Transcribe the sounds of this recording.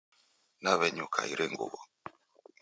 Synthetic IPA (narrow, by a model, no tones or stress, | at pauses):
naβɛɲukʰa̰iɾʔɛŋɡṵβɔ